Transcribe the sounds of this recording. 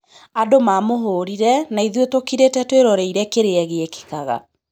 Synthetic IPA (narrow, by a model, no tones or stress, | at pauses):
adomaːmoɦoːɾiɾɛnaiðwetokiɾetɛtweɾɔɾɛiɾɛkeɾeɛɣeeke̥kaɣa̰